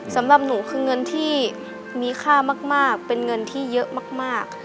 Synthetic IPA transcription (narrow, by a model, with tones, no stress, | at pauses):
sa˩˦mɾa˨˩p̚nuː˩˦kʰɯː˧ŋɤ˧nt̪ʰiː˥˩ | miː˧kʰaː˥˩maː˥˩k̚maː˥˩k̚pe˧nŋɤ˧nt̪ʰiː˥˩jɤ˦˥ʔmaː˥˩k̚maː˥˩k̚